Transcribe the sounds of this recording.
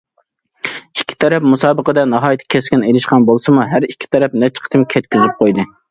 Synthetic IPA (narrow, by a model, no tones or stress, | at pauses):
ikʲʰːi̥t̪ʰɛɾɛpmusɑːbəqəd̪ɛnɑɦɑːjt̪ʰːkʲʰɛskʲinejlɪʃqɑnbolˠsɨmuɦæɾikʲʰːi̥t̪ʰɛɾɛp̚nɛt͡ʃʰə̥qʰət̪ʰɪmkʲʰɛt̪̚kʲʰyzyp̚qʰojd̪ɨ